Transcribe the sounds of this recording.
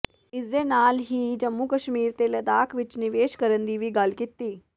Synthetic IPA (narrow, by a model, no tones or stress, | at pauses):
ɪsd̪enaːlɦiːd͡ʒəmːukəʃmiːɾt̪elɐd̪aːkʰʋɪt͡ʃnɪʋeːʃkəɾənd̪iʋiɡaːlkɪt̪ːiː